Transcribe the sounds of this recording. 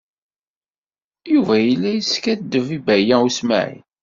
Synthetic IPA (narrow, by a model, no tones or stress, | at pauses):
juvæjəlːæjəskæd̪ːəvibæjæusmæ̰ʕḭn